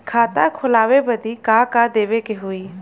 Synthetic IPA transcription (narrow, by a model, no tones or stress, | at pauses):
kʰaːt̪akʰʊlaːʋebəd̪ikakad̪eːʋekeɦʊiː